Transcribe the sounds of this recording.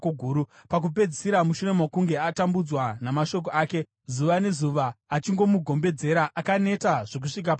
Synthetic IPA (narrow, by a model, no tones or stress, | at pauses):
oɡʱuːɾupak̬upe̞d͡zisiɾamuʃuɾe̞mwakuŋɡe̞atambud͡zwanamaʃo̞k̬o̞aːke̞ | zuʋane̞zuʋaːt͡ʃiŋɡo̞muɡʱo̞mbe̞d͡ze̞ɾaʔakane̞taʐ̥o̞k̬uʂik̬ap